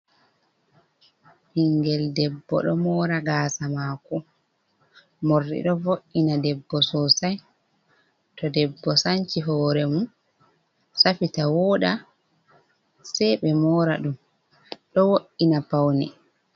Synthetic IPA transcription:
hiŋɡɛldɛbːɔ̰ɗɔmɔːɾaɡaːsamaːkɔ | morːḭɗɔvoʔːinadɛbːɔsɔsaj | tɔdɛbːɔsaɲt͡ʃiɦɔːɾɛmun | safitawɔːɗa | sɛjɓɛmɔːɾa̰ɗum | ɗɔwoʔːinapawnɛ̰

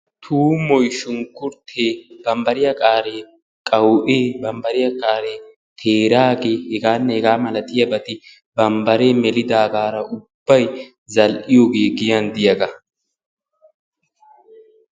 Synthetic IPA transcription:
t̪ʰuːmɔjʃʊŋkːʊɾt̪ʰeːb̥ɐmbɐɾɪjɐkʼaːɾeː | kʼɐwʔeːbɐmbɐɾɪjɐkʼaːɾeː | t̪ʰe̞ːɾaːɡeːhɛɡaːnːɛhɛɡaːmɐlɐt̪ɪjɐbɐt̪ɪ | bɐmbɐɾe̞ːmɛlɪd̪aːɡaːɾɐʔʊbːɐj | zɐlʔɪjoːɡe̞ːɡɪjɐnd̪ɪjɐɡɐ

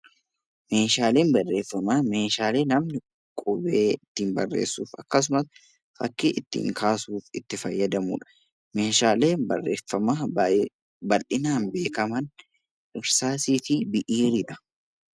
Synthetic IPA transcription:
me̞ːʃaːleːnbɐrːe̞ːfːɐmame̞ːʃaːle̞ːnɐmnɪ | kʼʊbeːɪt̪ːiːnbɐrːḛːsːuːfɐkːɐs̬ʊmɐs | fɐkːiːʔɪt̪ːḭːŋkʰaːsuːfɪt̪ːɪfɐjːɐd̪ɐmṵːᶑɐ̥ | me̞ːʃaːleːbɐrːḛːfːɐma | bɐlʔɪnaːnbe̞ːkɐmɐn | ɪɾsaːsiːfibɪʔiːɾɪᶑɐ̥

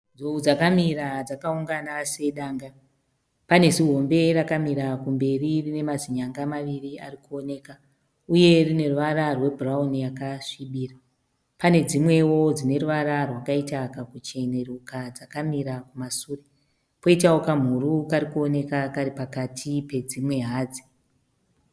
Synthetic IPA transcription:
d͡zoud͡zakamiɾad͡zakauŋɡanase̞ɗaːŋɡa | pane̞ziɦo̞mbe̞rakamiɾakumbe̞ririne̞maziɲaŋɡamaʋiriarikuo̞ne̞ka | uje̞rine̞ruʋaɾarwe̞bʱuraunijakaʂiɓiːra | pane̞d͡zimwe̞wo̞d͡zine̞ɾuʋaɾarwakaitakakut͡ʃe̞ne̞rukad͡zakamiɾakumasuːre | po̞itawokam̤uɾukaɾikuo̞ne̞kakaɾipakatʰipe̞d͡zimwe̞ɦaːd͡zi̥

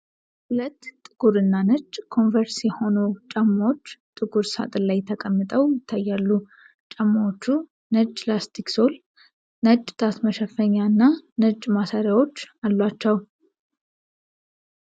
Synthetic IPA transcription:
hulət̪ːʼɨɡ̥uɾɨnːanəd͡ʒʼkʰo̞nvəɾsjɛho̞nut͡ʃʼəmːot͡ʃːt̪ʼɨɡuɾsa̰t̪ʼɨlajt̪ʰəkʼəmːɨt̪ʼəwjɪt̪ʰːajːalːu | t͡ʃʼəmːwot͡ʃːu | nəd͡ʒlast̪ʰikso̞l | nəd͡ʒʼt̪ʰasməʃəfəɲːaɨnːanəd͡ʒʼmasaɾjawo̞t͡ʃːalːat͡ʃːəw

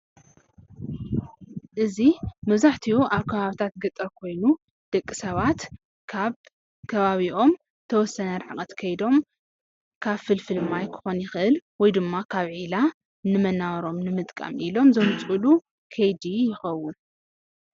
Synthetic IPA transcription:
ʔɨzimɐβzaħt̪ʰiuʔaβkʰɐβaβit̪ʰat̪ɡɐt̪ʼːɐɾkʰo̞jnu | d̪̥ɐkʼːisɐβat̪ʰ | kʰɐβaβiʔo̞m | t̪ʰɐwɔsɐnɐɾħakʼɐt̪kʰɐjd̪o̞m | kʰaβfɨlfɨlmajkʰɨ̥xo̞njɪxɨʔɨlwɔjd̪ɨmːakʰaβʕila | nɨmɐnawɐɾo̞mnɨmɨt̪ʼkʼa̰mʔilo̞mzɐmɨt͡sʼulu | kʰɐjd̪ijɪxɐwːʊn

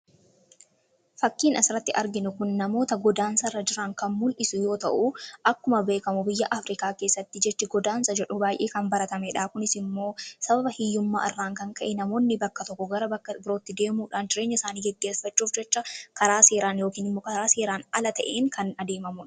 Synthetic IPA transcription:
fɐkːiːnɐsɪɾɐt̪ːɪʔɐɾɡɪnʊkʊnːɐmo̞ːt̪ɐɡɔd̪aːnsɐrːɐd͡ʒɪɾɐŋkɐnmʊlʔɪsʊjo̞ːt̪ɐ̰ʔuʔɐkːʊmɐbe̞ːkɐmʊbɪjːɐʔɐfɾɪkaːke̞ːsːɐt̪ːɪd͡ʒɛt͡ʃːɛɡɔd̪aːnsɐd͡ʒɛᶑʊbaːjʔeːkɐmbɐɾɐt̪ɐmɛᶑaːkʊnɪsɪmːo̞ːsɐbɐbɐhɪjːʊmːa̰ːʔɪrːaːŋkɐŋkɐʔɛnɐmo̞ːnːɪbɐkːɐt̪ɔkːɔɡɐɾɐbɐkːɐbɪɾo̞ːt̪ːɪd̪e̞ːmuːᶑaːnd͡ʒɪɾe̞ːɲːɐɪsaːniːɡɛɡːeːsfɐt͡ʃːuːfd͡ʒɛt͡ʃːɐkɐɾaːse̞ːɾaːnjoːkiːnɪmːoːkɐɾaːse̞ːɾaːnɐlɐt̪ɐʔeːŋkʰɐnɐd̪e̞ːmɐmʊᶑ

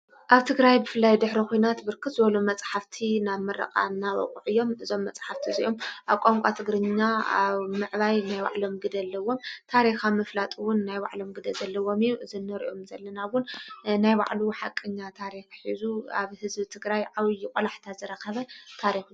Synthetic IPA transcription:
ʔaβt̪ʰɨɡɾajbɨfɨlːajd̪ɨħɾikʰojnat̪bɨɾkʰɨt̪zɨβɐlumɐt͡sʼħaft̪ʰinaβmɐɾɐ̰qʼa̰naβɐ̰kʼṵʕɨjːo̞mɨzo̞mːɐt͡sʼħaft̪ʰiziʔo̞mʔaβkʼoŋkʷʼat̪ʰɨɡɾɨɲːaa̰βmɨʕβajnajwa̰ʕlo̞mɡɨd̪ɐlːɐwo̞mt̪ʰaɾixamɐflat̪ʼuwʊnːajwa̰ʕlo̞mɡɨd̪ɐzɐlːɐwo̞mijuʔɨzɨnːɐɾḭʔomzɐlːɐnawʊnnajba̰ʕluħakʼːɨɲːat̪ʰaɾixħizuʔa̰βhɨzbit̪ʰɨɡɾajʕaβjːɪkʼolaħt̪ʰazɨɾɐxɐβɐt̪ʰaɾixu

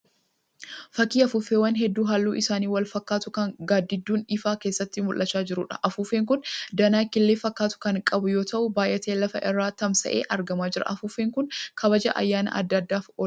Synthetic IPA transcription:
fɐkːiːɐfʊfewɐnɦɛd̪ːuːɦalːuːʔɪsaːniːwɐlfɐkːaːt̪ʊkɐŋɡaːd̪ːɪd̪ːuːnᶑɪfaːkeːsːɐt̪ːɪmʊlʔɐt͡ʃːaːd͡ʒɪɾʊːᶑɐʔɐfuːfeːŋk̬ʊnd̪ɐnaːkːɪlːeːfɐkːaːt̪ʊ̥kɐŋkʼɐbʊjo̞ːt̪ʰɐʔʊbaːjʔɛt̪ʰeːlɐfɐʔɪrːaːt̪ɐmsɐ̰ʔeːʔɐɾɡɐmaːd͡ʒɪɾɐ̰ʔɐfuːfeːŋkʊnkʰɐbɐd͡ʒɐ̰ʔɐ̰jːaːnɐ̰ʔɐ̰d̪ːɐd̪ːaːfɔ

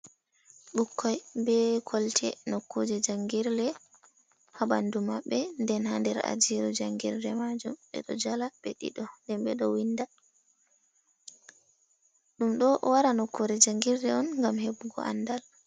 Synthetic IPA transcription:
ɓukʰːɔjbɛkʰɔltʰɛ̰nokʰːod͡ʒɛd͡ʒaŋɡiɾlɛ | habandumaɓːɛndɛnhandɛɾa̰d͡ʒiɾud͡ʒaŋɡiɾlɛmad͡ʒumɓɛ̰ɗɔ̰d͡ʒalaɓeɗḭɗɔndɛnɓɛɗɔwinda | ɗumɗɔwaɾanɔkʰːodɛd͡ʒaŋɡiɾlɛɔnŋɡamhebuɡɔ̰ʔa̰nːdal

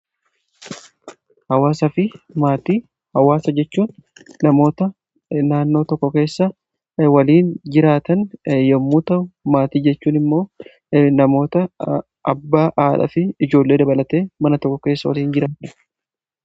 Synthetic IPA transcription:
hɐwaːsɐfɪmaːt̪iː | hɐwaːsɐd͡ʒɛt͡ʃːuːnːɐmo̞ːt̪ɐ | naːnːo̞ːt̪ɔkːɔke̞ːsːɐ | wɐliːnd͡ʒɪɾaːt̪ɐnjɛmːuːt̪ɐʔʊmaːt̪iːd͡ʒɛt͡ʃːuːnɪmːo̞ː | nɐmo̞ːt̪ɐ | ɐbːaːʔaːᶑɐ̰fɪɪd͡ʒo̞ːlːe̞ːd̪ɐbɐlɐt̪e̞ːmɐnɐt̪ɔkːɔke̞ːsːɐwɐ̰liːnd͡ʒɪɾaːt̪ɐ̥

